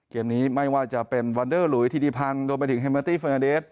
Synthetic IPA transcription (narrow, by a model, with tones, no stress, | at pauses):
keː˧˩mniː˦˥ma˥˩jwaː˧˩t͡ɕa˨˩ʔpe˧nwa˧ndɤː˥˩lu˨˩˦jt̪ʰiː˧˩diː˧˩pʰa˧ndoː˧mpa˧jt̪ɯ˩˦ŋɦa˧maː˧t̪iː˥˩fəː˧na˧deː˦˥˩t̪̚